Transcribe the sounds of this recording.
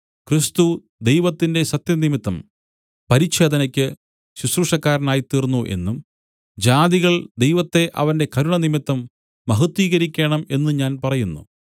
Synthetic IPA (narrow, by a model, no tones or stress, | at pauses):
krist̪u | d̪e̞jʋɐt̪ːinde̞ɕɐt̪jɐnimit̪ːɐm | pɐɾiɕe̞ːd̪ʱɐnɐkʲːɨ | ɕuɕruʂɐkːaːɾɐnaːjit̪iːrnːuʔe̞̰nːum | d͡ʑaːd̪iɣɐɭd̪ejʋɐt̪ːe̞ʔɐ̰ʋɐnde̞kɐɾuɳɐnimit̪ːɐmː | ɐɦɐt̪ːiːɣɐɾikʲːe̞ːɳɐme̞nːuɲaːnpɐrɐjunːṵ